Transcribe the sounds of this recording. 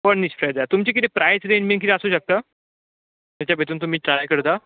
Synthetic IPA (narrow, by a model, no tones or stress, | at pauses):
pəɳniɕpɾajd͡zat̪umt͡ɕek̬it̪epɾʔajsɾemĩŋkit̪eaəsuːɕək̚t̪a | t̪at͡ɕjabʱet̪uːnt̪um̤iːʈɾajkəɾt̪a